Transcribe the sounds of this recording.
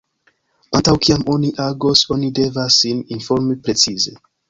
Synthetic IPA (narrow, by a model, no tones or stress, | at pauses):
antawkiamo̞niʔaɡoso̞nide̞vasːininfoɾmipɾe̞t͡size